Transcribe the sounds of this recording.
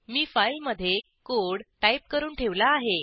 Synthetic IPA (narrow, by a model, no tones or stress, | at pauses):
miːfailməd̪ʱje | koɽʈaip̚kəɾuːnʈʰeʋlaːɦe